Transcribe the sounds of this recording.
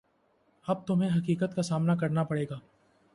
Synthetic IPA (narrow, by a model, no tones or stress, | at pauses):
ɐb̚t̪ʊmɦẽɦɐkiːkət̪̚kasaːmnakɐɾnapɐɽeːɡaː